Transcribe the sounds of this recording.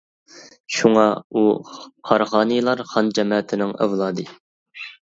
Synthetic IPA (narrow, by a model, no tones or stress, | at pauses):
ʃuŋɑuqʰɑɾχɑːnɨjlˠɑɾχɑnd͡ʒɛmɑːt̪ʰɪnɪŋæ̰vlˠɑːd̪ɨ